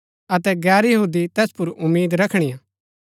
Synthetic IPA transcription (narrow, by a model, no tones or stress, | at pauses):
ɐt̪ɛɡɛːɾjɐɦuːd̪it̪ɛːspʊɾʊmːiːd̪ɾɐkʰɽ̃ijãː